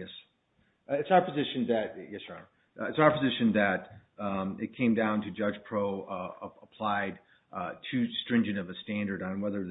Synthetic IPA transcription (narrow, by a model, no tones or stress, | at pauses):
jɛs | ɪtsaʊə˞pʰɨzɪʃɨ̃nðɨt̚jɛsə̰ | ɨtsaʊə˞pʰəzɪʃɨ̃nðɨɾ | ɨt̚kʰẽɪ̃mdãʊ̃ntʰɨd͡ʒʌ̥d͡ʒ̥pʰɹ̥oʊəpʰl̥aɪd̚ | tʰɨstɹ̥ɪ̃nd͡ʒɨ̃ŋʌvɨstæ̃ndə˞ɾn̩wɛðə˞